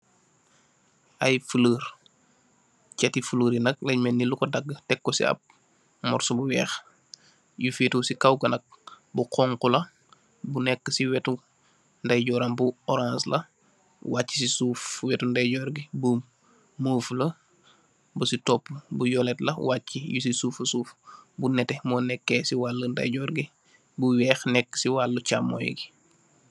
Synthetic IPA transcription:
ʔɐjfələːɾ | cɛtifuləːɾinɐk̚lɐmɛnːilukɔdɐɡːətɛkːɔsḭɐ̰p̚ | mɔrsubuwɛːx | jufiːtuːsikɐwɡɐnɐk̚ | buqʰɔŋkulɐ | bunɛkːəsiwɛtu | ndɐjɟɔɾɐmbuɔɾãnslɐ̰ | wacːi̥sisufwɛtundɐjɟɔɾɡibu | məːflɐ | busitɔpːbujɔlɛtlɐ̰wacːijusisuːfɐsuːfbunɛtɛmɔːnɛkːɛsiwalːəndɐ̰jɟɔːɾɡi | buwɛːxnɛkːə̥siwalːut͡ʃamːɔ̰j̰ɡi

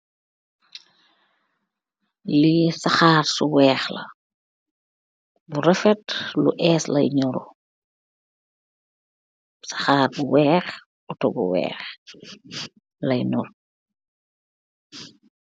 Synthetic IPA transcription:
lisaxaːrsuwɛːxlɐ̰ | buɾɛfɛtlṵʔɛːslɐ̰jɲɔɾɔ | sḁxaːrbuwɛːx | ɔtɔbṵwɛ̰ːx | lɐjnul

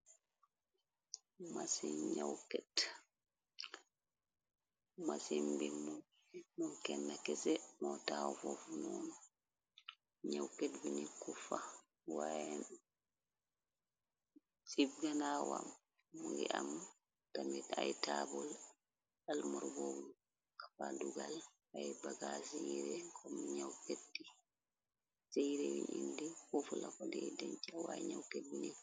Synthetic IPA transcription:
masiɲawkɛt | masimbilmu | mɔnkɛnːakɛsɛmɔtawɔfɔfunɔnɔ | ɲawkɛtbiɲikufa | wajɛn | sibɡanawam | muŋɡɛ̰ʔam | tamɛajtabɔl | almɔɾbɔbu | kḁfaduɡal | ajbaɡasijiɾɛkʰɔmɲawketːi | sejɾɛwiɲindikɔfulakɔdɛdɛɲt͡ʃawaɛɲawket̚biɲikː

